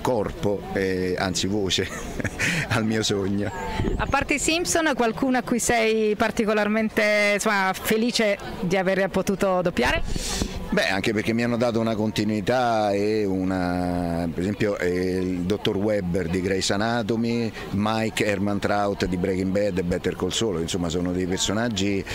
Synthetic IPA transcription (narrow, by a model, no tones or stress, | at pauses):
kɔrpoɛa̰nt̪sivoːt͡ʃe | almiːosoɲːoapːart̪esimsonkwalkuːnoakːujsɛjpart̪ikolarment̪esomafeliːt͡ʃe | d̪iaveːɾpot̪uːt̪od̪opːjaːɾe | bɛa̰ŋkepeɾrk̟emːianːod̪aːt̪̬ounakont̪inuit̪aeunapeɾezɛmpjoʔld̪ot̪ːorwɛbːerd̪iɡɾɛjsanaːt̪̬omi | majkɛrmant̪ɾawt̪d̪ibɾɛɡimbɛd̪ebɛt̪ːerkolsoːloinsomːasoːnod̪ejpersonad͡ʒːi